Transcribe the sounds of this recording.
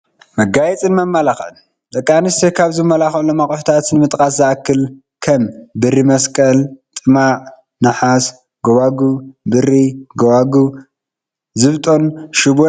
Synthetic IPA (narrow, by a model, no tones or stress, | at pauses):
mɐɡajɛt͡sʼɨnmɐmːɐlaxn | d̪ʼɐkʼːanɨst̪ekʰaβzɨmːɐlaxlːomakʼħu̥t̪ʰat̪nɨmɨt̪ʼkʼaszaʔakʰːɨl | kʰɐmbɨrːimɐskʼɐlt̪ʼɨmaʔ | nɨħas | ɡoβaɡubɨriɡɐwaɡu | zɨβt̪ʼo̞nʃɪbo